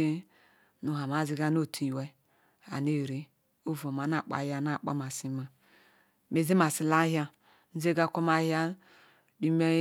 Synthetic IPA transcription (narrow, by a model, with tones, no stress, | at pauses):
e˦ | nu˨ɦa˨ma˨zi˦ɡa˦no˦˨tʰi˨we˦ | a̰˨ne˦˨ɾe˦ | o˦vo˨ma˨na˨k͡pa̰˨˦ja˦na˦˨k͡pa̰˦ma˨si˦ma˨ | me˨ze˦ma˨si˨la˦ɦja˦ | n̩˦ze˦ɡa˦ko˦ma˦hja˦ | di˦me˦